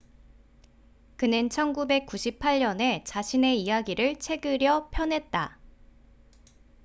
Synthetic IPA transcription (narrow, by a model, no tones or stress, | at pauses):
kɯnɯnt͡ɕʰʌnɡube̞k̚k͈uɕʰip̚ʰaʎɲʌne̞t͡ɕaɕʰine̞ijaɡiɾɯɭt͡ɕʰe̞ɡɯɾjʌpʰjʌnɦe̞t̚t͈a